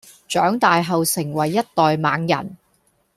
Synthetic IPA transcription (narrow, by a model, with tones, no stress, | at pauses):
t͡ʃœː˨˥ŋt̪aː˨jɦɐ˨wsɪ˨˩ŋwɐ˨˩jːɐ˥t̚t̪ɔː˨jmaː˨˧ŋjɐ̰˨˩n